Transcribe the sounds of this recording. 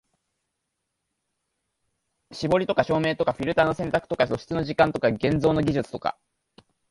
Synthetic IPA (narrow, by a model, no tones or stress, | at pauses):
ɕibo̞ɾʲit̪o̞kaɕo̞ːme̞ːt̪o̞kaɸʲiɾɯ̟t̪aːno̞sẽ̞nt̪akɯ̟̥t̪o̞kaso̞ɕi̥t͡sɨnoʑikãnt̪o̞kaɡẽ̞nzo̞ːno̞ɡʲiʑɨt͡sɨ̥t̪o̞ka̰